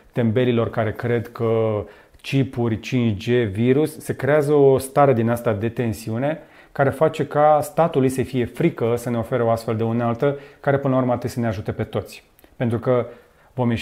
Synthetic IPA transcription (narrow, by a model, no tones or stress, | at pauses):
t̪e̞mbe̞lilo̞rkaɾe̞kɾe̞d̪kə | t͡ʃipurʲt͡ʃint͡ʃd͡ʒe̞viɾusːekɾe̞azəost̪aɾe̞d̪inast̪ad̪e̞t̪e̞nsiune̞ | kaɾe̞fat͡ʃe̞kast̪at̪ulujsəfije̞fɾikəsəne̞o̞fe̞ɾəo̞ast̪fe̞ld̪e̞unalt̪əkaɾe̞pɨnlaurməat̪ɨt̪ʲsəneaʒut̪e̞pe̞t̪o̞t̪sʲ | pe̞nt̪ɾukə | vo̞mje